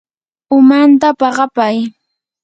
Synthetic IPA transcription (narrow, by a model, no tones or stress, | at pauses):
ʊmant̪̬apɑɢɑpaj